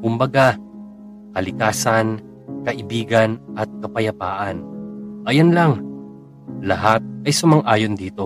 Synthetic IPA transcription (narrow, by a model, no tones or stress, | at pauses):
kʊmbɐɡa | kɐlɪkaːsɐn | kɐʔɪbiːɡɐnʔɐt̪̚kɐpɐjɐpaːʔɐnʔɐjonlɐŋ | lɐɦat̪̚ɐjsʊmɐŋʔaːjond̪iːt̪o̞